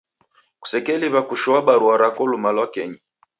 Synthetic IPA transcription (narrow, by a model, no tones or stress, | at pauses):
ku̥sɛkɛliβakuʃɔwaɓaɾuaɾakɔlumalwakɛɲi